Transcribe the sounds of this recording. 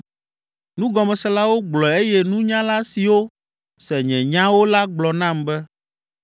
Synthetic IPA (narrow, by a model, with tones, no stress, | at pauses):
nũ˦ɡɔ˨mɛ̃˨sɛ˦la˦wo˦ɡ͡blɔ˨e˦jɛ˦nũ˦ɲã˦la˦si˨wo˦ | sɛ˨ɲɛ̃˨ɲã˦wo˦la˦ɡ͡blɔ˨nã˦˨mbɛ˦